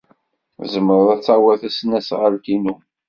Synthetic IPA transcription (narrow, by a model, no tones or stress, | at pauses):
zəmːəɾəðˤæt͡sːawæθæsnæsʁəɾkinu